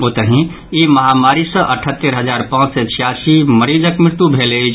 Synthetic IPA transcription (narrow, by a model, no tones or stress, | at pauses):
ot̪əɦĩ | imɐɦamaːɾisə̃ʔəʈʰət̪ːəɾɦəzaːɾpãːt͡ʃset͡ʃʰijasiməɾiːd͡ʒəkmɪɾɪt̪ubʱelei